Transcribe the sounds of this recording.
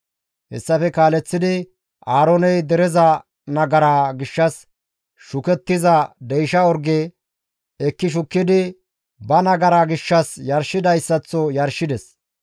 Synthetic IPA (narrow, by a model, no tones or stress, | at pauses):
hɛ̰sːɐfɛkaːlɛt͡sːɪd̪ɪ | ʔaːɾɔnɛjd̪ɛɾɛzɐ | nɐɡɐɾaːɡɪʃːɐs | ʃʊkɛt̪ːɪzɐd̪ɛjʃɐɔɾɡeː | ɛkːɪʃ̬ʊkːɪd̪ɪ | bɐnɐɡɐɾaːɡɪʃːɐsjɐɾʃɪd̪ɐjsːɐt͡sːɔjɐɾʃɪd̪ɛs